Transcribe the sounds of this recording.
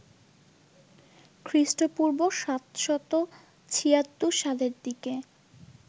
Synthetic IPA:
kʰɾiʃʈopuɾboʃat̪ʃɔt̪o | t͡ɕʰijat̪ːuʃaleɾd̪ike

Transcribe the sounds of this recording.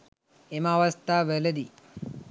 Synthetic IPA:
emaːʋɐst̪aːʋelɐd̪i

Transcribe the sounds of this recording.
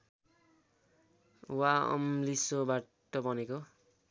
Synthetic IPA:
waʌ̰mlisobaʈʌbʌneko

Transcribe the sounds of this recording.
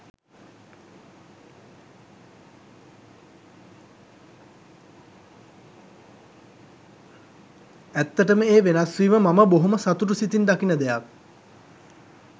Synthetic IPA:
æt̪ːəʈəməeːʋenasʋiːməmaməboɦoməsat̪uʈusit̪ind̪akinəd̪ejak̚

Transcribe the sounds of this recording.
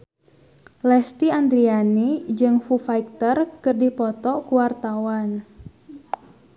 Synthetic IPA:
lɛst̪iand̪ɾianid͡ʒɨŋfufaik̚t̪ərkɨrdipɔt̪ɔkuwart̪awan

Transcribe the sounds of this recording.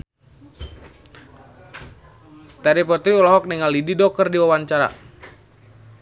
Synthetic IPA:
t̪aɾipɔt̪ɾiulɔɦɔk̚niŋalːididɔk̚kərdiwawaɲt͡ʃaɾa̰

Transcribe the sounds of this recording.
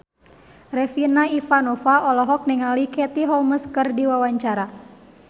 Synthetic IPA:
rɛfinaifanɔfaʔɔlɔɦɔk̚niŋalikɛt̪iɦɔlməskərdiwawaɲt͡ʃaɾa

